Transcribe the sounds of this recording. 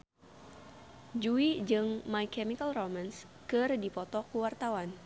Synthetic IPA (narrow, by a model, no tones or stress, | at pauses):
d͡ʒuid͡ʒɨŋmajkɛmikəlromans | kɨrdipɔt̪ɔkuwart̪awan